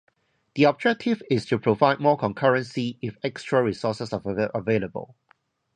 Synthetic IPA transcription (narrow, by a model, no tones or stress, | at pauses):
d̪iɔb̚d͡ʒɛk̚tʰɪvɪstʰupʰɹovaɪd̚mɔkʰɔ̃nkʰəɹə̃nsiɪfɛkstɹəɹisɔsəsaəveləbə̰lˠ